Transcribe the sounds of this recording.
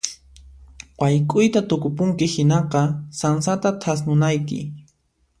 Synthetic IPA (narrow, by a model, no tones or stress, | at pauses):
wajkʼʊjt̪at̪ʊkʊpʊŋkɪhɪnɑqɑsansat̪at̪ʰasnʊnajkɪ̰